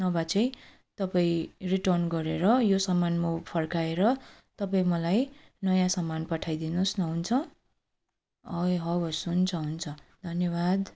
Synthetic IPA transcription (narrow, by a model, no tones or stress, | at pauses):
nʌbat͡sʌj | t̪ʌpaĩriʈʌrnɡʌɾeɾʌjosʌmanmopʰʌrkaeɾʌ | t̪ʌpaĩmʌlaj | nʌjãsʌmanpʌʈʰajd̪inusnʌɦunt͡sʰʌ | ʌɦʌbʌsunt͡sʰʌɦunt͡sʰʌd̪ʱʌnjʌbad̪